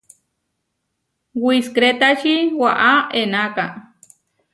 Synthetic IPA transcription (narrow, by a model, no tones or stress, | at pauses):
wiskɾet̪aʃiwaʔaenaka